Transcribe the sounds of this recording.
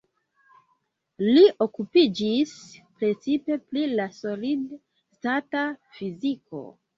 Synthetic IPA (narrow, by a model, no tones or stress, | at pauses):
liʔo̞kupid͡ʒispɾe̞t͡sipe̞plilaso̞lid | statafiziko̞̰